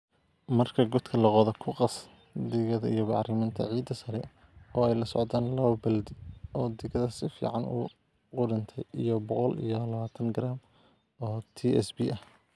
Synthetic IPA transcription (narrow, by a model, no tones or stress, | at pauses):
mɐrkʰɐɡɔd̪kʰɐlɐqɔðɐkʰʊqɑs | d̪ɪɣɐðɐḭjɔbɑʕrɪmɪːnt̪ʰɐ̰ʕiːd̪ːɐsɐɾɛ̰ | ɔːɛjlɐsɔ̰ʕd̪aːnlɐβɐbɐld̪ɪɔːd̪ɪɣɐðɐsɪfḭːʕɑnṵ | ʊɖɪnt̪ʰɛjijɔbɔqɔlijɔlɐβaːt̪ʰɐŋɡɾaːm | ɔːt̪ʰiɛsbiʔɐh